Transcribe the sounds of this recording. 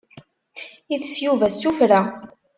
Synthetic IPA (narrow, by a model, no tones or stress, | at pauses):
iθsjuvæsufɾæ